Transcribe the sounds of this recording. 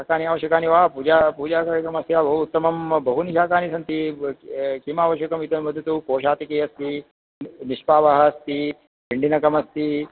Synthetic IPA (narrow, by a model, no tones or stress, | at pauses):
akaːniaːʋɐʃjɐkaːniʋaːpud͡ʒaːpuːd͡ʒaːkːɾkɐmɐsjaːbɐɦuːt̪ːɐmɐmbɐɦuniʃaːkaːnisɐnt̪i | kimaːʋɐʃjɐkɐmit̪ɐnmɐd̪ʱːɐt̪ukoːʃaːt̪ikeɐst̪i | niʃpaːʋɐɦɐst̪i | piɳɖinɐkɐmɐst̪i